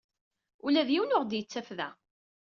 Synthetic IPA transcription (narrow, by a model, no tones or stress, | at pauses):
ulæðjiwnʊʁd̪jət͡sːæfðæ̰